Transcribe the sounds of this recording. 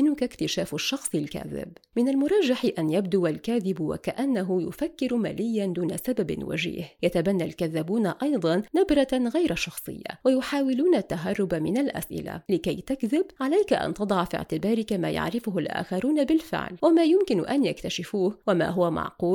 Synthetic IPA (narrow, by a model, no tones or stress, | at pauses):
ɪnʊkakt̪ɪʃaːfaʃːɑxsˤɪlka̰ːðɪ̰bmɪnalmʊɾˤɑʒːaħɪʔanjabd̪ʊwalkaːðɪbwa̰kaʔanːaɦʊjʊ̰fakːɪɾʊma̰ːlɪjːand̪uːna̰sababɪ̰nwa̰d͡ʒḭːhjat̪abanːalkaðːabuːnaʔɑjd̪ˤɑnːabɾˤɑɣajɾaʃɑxsˤɨ̰jːa̰wajʊħaːwɪluːnat̪ːaɦɑrˤːʊbamɪnalʔa̰sʔɪ̰la̰lɪkajt̪akðɪbʕalajkaʔa̰nt̪ɑd̪ˤɑʕfḭʕt̪ɪbɑːɾɪkama̰ːja̰ʕɾɪfʊɦʊlʔa̰ːxɑɾˤuːnabɪlfɪ̰ʕlwamaːjʊmkɪnʊ̰ʔanjakt̪aʃɪfuːhwama̰ːɦʊwamɑ̰ʕquː